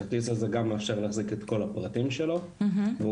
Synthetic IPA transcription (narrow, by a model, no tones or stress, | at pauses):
t̪isazeɡamafʃeʁleaχziket̪ko̞lapʁatimʃelo̞ | ɦve